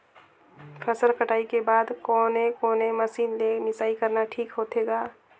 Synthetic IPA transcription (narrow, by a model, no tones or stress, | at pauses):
pʰɛsəɾkəʈaːikebaːd̪kɔːnẽkɔːnẽməsiːnlenɪsaːikəɾnaʈʰiːkɦoːt̪eːɡaː